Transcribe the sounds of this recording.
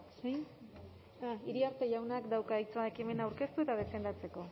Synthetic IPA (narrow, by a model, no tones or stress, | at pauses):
sj | aiɾiaɾt̪e̞ʝawnakd̪awkait͡soaekime̞nawɾke̞st̪ue̞t̪að̞e̞fe̞nd̪at͡se̞ko̞